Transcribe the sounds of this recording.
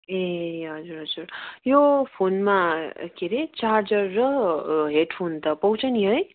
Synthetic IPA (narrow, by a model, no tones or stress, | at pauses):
eɦʌd͡zuɾɦʌd͡zuɾjopʰonmakeɾet͡sard͡zʌrːʌɦeʈpʰont̪ʌpʌwt͡sʰʌniɦʌj